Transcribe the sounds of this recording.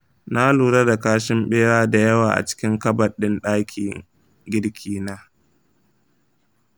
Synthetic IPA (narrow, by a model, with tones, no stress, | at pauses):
na˦luː˨ɾɐ˦da˨kaː˦ʃɪ˦mɓeː˦ɽaː˦da˨jɐ˦waː˨ʔa̰˨t͡ʃɪ̥˦kʲɪ˦ŋkɐ˦bɐ˨ɗɪ˦nɗaː˦kʲʰḭː˨ | ɡʲɪ˦ɽkʲʰiː˦naː˦